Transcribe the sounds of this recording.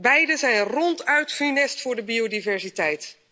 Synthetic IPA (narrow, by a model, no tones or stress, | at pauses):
bɛjdəzɛjnrɔntœɥtχynɛstfʊːɹdəbiodivɛɹzitɛjt